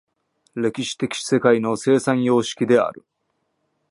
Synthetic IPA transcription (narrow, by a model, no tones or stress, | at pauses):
ɾe̞kʲiɕi̥t̪e̞kʲi̥se̞kaino̞se̞ːsãɰ̃jo̞ːɕi̥kʲid̪e̞a̰ɾɯ̟